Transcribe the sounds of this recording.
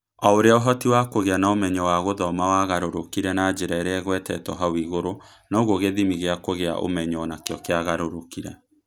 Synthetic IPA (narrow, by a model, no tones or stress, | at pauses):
ɔoɾeaoɦɔtiwakoɣeanaomɛɲɔwaɣoðɔmawaɣaɾoɾokiɾɛnad͡ʒeɾaeɾeɛɣwɛtɛtɔɦawiɣoɾo | naoɣoɣeðimiɣeakoɣea̰ʔo̰mɛɲɔnakeɔkeaɣaɾoɾokiɾɛ